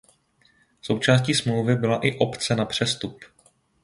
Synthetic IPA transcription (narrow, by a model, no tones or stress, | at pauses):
so̞wt͡ʃaːsciːsmlowvɪbɪlaʔɪʔo̞pt͡sɛnapr̝̥ɛst̪up